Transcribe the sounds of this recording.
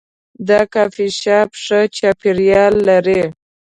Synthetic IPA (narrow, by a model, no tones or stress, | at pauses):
d̪ɑkɑfiʃɑpʂət͡ʃɑpiɾjɑlːaɾe